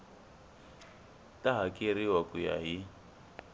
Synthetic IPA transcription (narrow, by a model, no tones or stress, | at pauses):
tʼaɦakʼeɾiwakʼuja̰ɦi